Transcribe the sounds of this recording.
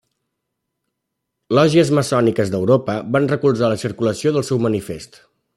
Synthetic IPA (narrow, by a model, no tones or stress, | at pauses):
lɔʒiəzməsɔnikəzd̪əwɾopəβanrəkulˠzaləsiɾkuləsioðəlˠsɛwmənifest̪